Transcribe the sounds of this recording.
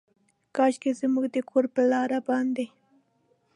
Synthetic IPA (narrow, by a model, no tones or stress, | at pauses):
kɑʃkɪzɪmʊɡd̪ɪkʰʊɾpalɑːɾabɑnd̪ɪ